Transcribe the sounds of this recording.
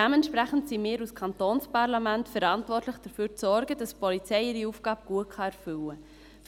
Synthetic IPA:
dæmɛntʃpʁæχn̩tsimɪːɾuskʰɑntoːnspɑʁlɑmæntfɛɾɑntʋɔrtləχd̥əføːɾt͡sɔɾɡəd̥ɑspɔlit͡sɛɪɪɾiuːfɡ̥ɑːbɡ̥uətχɑɛɾfʏlə

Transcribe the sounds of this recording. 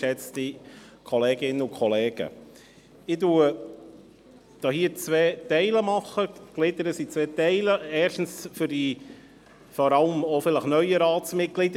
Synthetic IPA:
ɛt͡sti | kʰɔleːɡɪnːəʊkʰɔlɛːɡ̥ə̰ | ɪtuː | d̥ɑːhiːəɾt͡sʋɛːtɛɪləmɑχːəɡ̥lɪd̪əɾəsit͡sʋɛːtɛɪləɛːɾʃtn̩sfʏɾdi | fɔɾɑləmofɪləχnœʏəɾɑːsmɪt̚klɪdə

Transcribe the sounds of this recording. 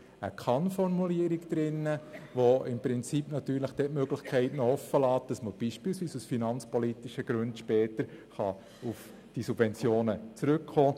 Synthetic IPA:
ə̰kʰɑnfɔrmuliəɾikd̪̥ɾɪnːəʋoɪmpɾɪnt͡sipnɑt̪yːɾləχd̥ɛtmøɡlɪxkʰɛɪtnɔɔfːəlɑːt̚d̥ɑsməb̥iːʃpiːlsʋiːsusfinɑnt͡spɔlitɪʃəɡ̥ɾʉndʃpɛːtəɾχɑ | uf | d̥isub̥vɛnt͡sjoːnət͡sɾʏkχoː

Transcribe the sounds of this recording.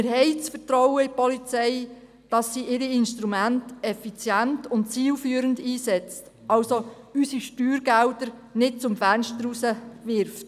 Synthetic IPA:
ɪɾɦɛɪt͡sfəɾtɾɔwəɪpɔlit͡sɛɪ | d̥ɑsːiʔɪɾiɪnʃtɾumæntɛfit͡sjæntʊntt͡siːlfyːɾəndiːsɛt͡st | ɑlso | ysiʃtyːɾɡældəɾ | nɪt̚t͡sʊmfænʃtəɾusəʋɪɾft

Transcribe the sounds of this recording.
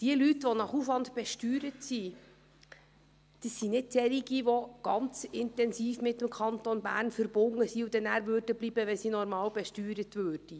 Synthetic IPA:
d̥iəlytʋɔnɑχufʋɑndb̥ɛʃtyːɾətsi | d̥əsːinɪd̚sɛliɡiʋɔɡ̥ɑnt͡sɪntɛnsiːfmɪtːəmkʰɑntonbæ̰ːɾnfəɾb̥ʊŋːəsiud̥̪ɛnæːɾʋøɾd̥əbliːbəʋɛnsinɔɾmɑːlbɛʃtyːɾətʋøːɾd̥i

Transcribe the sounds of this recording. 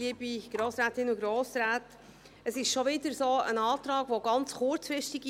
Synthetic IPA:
iəbiɡ̥ɾoːsɾæːtɪnuɡɾoːsɾæːt | əsɪʃʃoʋɪdəɾsoːə̰nɑːtɾɑːɡʋoɡ̥ɑnt͡sχʊɾt͡sfɪʃtɪɡ

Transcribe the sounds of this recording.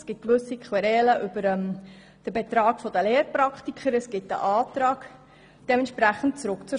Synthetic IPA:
sɡ̥ɪt̚kʋɵsikχwɛɾɛːləʔʏbəɾɛm | d̥əbet̪ɾɑːɡfod̥əleːɾpɾɑktikʰχəɾɛsɡ̥ɪtə̰ʔɑːtɾɑːk | d̥ɛmɛntʃpɾæχən̩tt͡sɾʊkt͡sʊ

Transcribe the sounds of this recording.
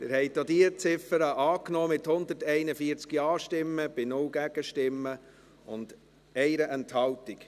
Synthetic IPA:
mɪɾhɛɪdodiət͡sɪfəɾəʔɑːknɔːmɪthʊnd̪əɾtɛɪnəfiəɾt͡skiɑːʃtɪmːəb̥ɪnʊlɡæɡ̥əʃtɪmːə | ʊnd̥ | ɛɪɾəʔɛnthɑltik

